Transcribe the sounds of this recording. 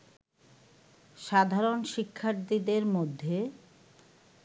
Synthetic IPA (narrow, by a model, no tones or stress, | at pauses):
ʃad̪ʱaɾonʃikʰːaɾt̪id̪eɾmod̪ʱːe